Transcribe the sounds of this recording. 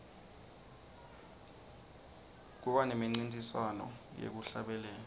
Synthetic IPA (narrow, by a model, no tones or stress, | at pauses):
k̬uɓanemiŋ͡ǀintʼiswanɔ̰jḛk̬uɬaɓɛlɛːlɔ